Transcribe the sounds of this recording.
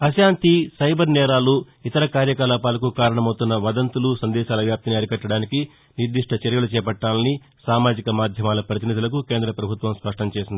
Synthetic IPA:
ɐsaːnt̪isɐjbʱɐɾnɛːɾaːlu | it̪ɐɾɐkaːɾjɐkaːlaːpaːlɐkukaːɾɐɳɐmɐwt̪unːɐʋɐd̪ɐnt̪ulusɐnd̪ɛːʃaːlɐʋjaːp̚t̪iniɐɾikɐʈːɐɽaːniki | niɾd̪iʂʈʰɐt͡ʃɐɾjɐlut͡ʃɛːpɐʈːaːlɐni | saːmaːd͡ʒikɐmaːd̪ʱjɐmaːlɐpɾɐt̪inid̪ulɐk̬ukeːnd̪ɾɐpɾɐbʱut̪ʋɐmspɐʂʈɐmt͡ʃeːsind̪i

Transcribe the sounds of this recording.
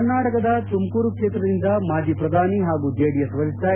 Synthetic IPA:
ɾnaːʈɐkɐd̪ɐt̪umkuːɾukʂeːt̪ɾɐd̪ind̪ɐmaːd͡ʒ̪ʱipɾɐd̪ʱaːniɦaːɡuːd͡ʒeːɽijɐsʋɐɾist̪aː

